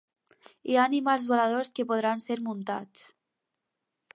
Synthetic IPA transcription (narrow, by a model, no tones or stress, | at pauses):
ianimalˠzβolaðoskepoð̞ɾanseɾmunt̪a̰t͡s